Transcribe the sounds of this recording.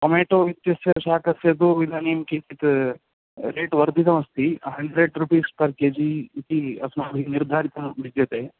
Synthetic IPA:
kɐmeːʈoːʋit̪jɐsjɐʃaːkʰɐsjɐd̪oːʋid̪ʱaːnimkit̪it̪ | ɾeːʈʋɐɾd̪it̪ɐmɐst̪ʰiɦɐɳɖɾeɖɾupiːspɐɾkeːd͡ʒit̪iɐ̰smaːb̪ʱiniɾd̪ʱaːɾit̪ɐmʋid̪jɐt̪eː

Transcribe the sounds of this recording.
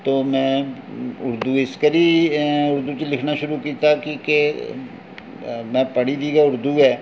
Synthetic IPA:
t̪oːmɛ̃ː | ʊɾd̪uːɪskəɾiːʊɾd̪ut͡ʃelɪkʰnaʃʊɾukiːt̪akike | mɛ̃ːpəɽid̪iːɡaʊɾd̪uːɦɛː

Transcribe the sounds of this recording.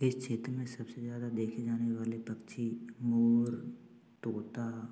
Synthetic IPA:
ɪst͡ʃʰeːt̪ɾəmẽsɐbsezjaːd̪ad̪eːkʰed͡ʒaːneʋaːlepɐkt͡ʃʰimoːɾ | t̪oːt̪a

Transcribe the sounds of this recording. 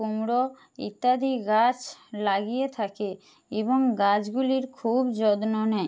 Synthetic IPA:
umɾo | ḭt̪ːad̪iɡat͡ɕlaɡijet̪ʰake | eboŋɡad͡ʑɡuliɾkʰubd͡ʑɔd̪nonɛ

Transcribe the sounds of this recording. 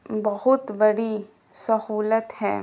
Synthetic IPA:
bɐɦʊt̪bɐɽi | sɐɦuːlət̪hɛ̰ː

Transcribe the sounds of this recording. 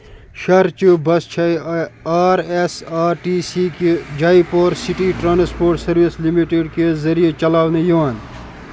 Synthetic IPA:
ʃɐɾt͡ʃubɐst͡ʃʰɐiaːɾesaːɾʈiːsiked͡ʒaːipoːɾsiʈiʈɾaːnspoːɾʈsɐɾʋislimiʈeɖkezɐɾijet͡ʃɐlaːʋnejoan

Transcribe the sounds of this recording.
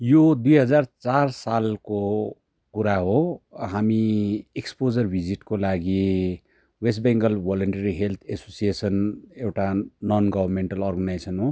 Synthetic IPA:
jod̪ujɦʌd͡zart͡sarsalko | kuɾaɦoɦamiekspod͡zʌrbʱid͡ziʈkolaɡi | wes̬ʈ̚beŋɡʌlbɔləɳʈeɾiɦelt̪ʰesosiesʌnewʈanɔnɡʌbʱʌrmeɳʈəlɔrɡʌnajsʌnɦo

